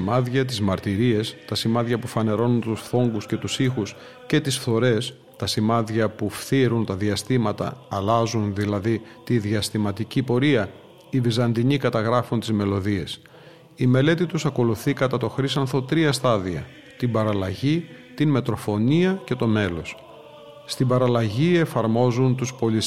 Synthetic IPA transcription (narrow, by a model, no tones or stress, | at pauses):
mɐðʝɐt̪̬izmɐɾt̪iɾie̞st̪ɐsimɐðʝɐpufɐne̞ɾo̞nunt̪usθo̞ŋɡusce̞t̪usixus | ce̞t̪isfθo̞ɾe̞s | t̪ɐsimɐðʝɐpufθiɾunt̪ɐðiɐst̪imɐt̪ɐ̰ːlɐzunðilɐði | t̪iðiɐst̪imɐt̪icipo̞ɾiɐ | ivizɐnd̪iɲikɐt̪ɐɣɾɐfunt̪izme̞lo̞ðie̞s | ime̞le̞t̪it̪usɐko̞luθikɐt̪ɐt̪o̞xɾisɐnθo̞t̪ɾiɐst̪ɐðiɐ̰ | t̪ibɐɾɐlɐʝi | t̪inme̞t̪ɾo̞fo̞niɐce̞t̪o̞me̞lo̞s | st̪ibɐɾɐlɐʝie̞fɐɾmo̞zunt̪uspo̞li